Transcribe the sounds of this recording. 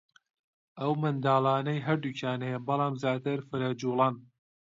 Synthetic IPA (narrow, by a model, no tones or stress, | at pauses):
ɐwmɨnd̪aːlˠɑːnɐjɦɐɾd̪ucʰaːnejɐbɨlˠɑːmzjaːt̪ɨɾfɨɾad͡ʒuːlˠɑːn